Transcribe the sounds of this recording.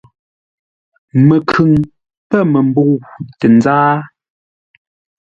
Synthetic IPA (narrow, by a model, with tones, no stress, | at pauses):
mə˨kʰʉ˨ŋ | pɛ˦˨mə˨mbo˦˨tɛ˨nzaː˦